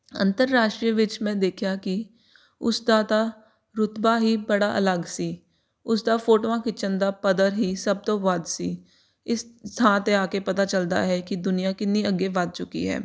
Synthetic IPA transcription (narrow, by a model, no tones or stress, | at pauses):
ə̰̃nt̪əɾːaːʃʈɾijəʋɪt͡ʃmɛ̃d̪eːkʰjaki | ʊ̰sd̪aːt̪a | ɾʊt̪baɦibɐɽaʔə̰ləɡsiː | ʊsd̪afoːʈoãkit͡ʃə̃nd̪apəd̪əɾɦisəb̚t̪oʋəd̪siː | ɪst̪ʰãːt̪eaːkepɐt̪at͡ʃəld̪a̰ɦɛkid̪ʊnijakɪniəɡeʋad̪̚t͡ʃʊkḭɦɛ̰ː